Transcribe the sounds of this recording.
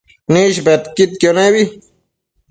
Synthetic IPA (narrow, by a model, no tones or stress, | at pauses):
nĩʃbet̪kit̪̚kjonewi